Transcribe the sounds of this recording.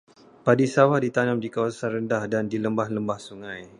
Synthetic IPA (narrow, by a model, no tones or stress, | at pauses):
padisawahdit̪anəmdikawasanrəndahdandiləmbahləmbahsuŋãj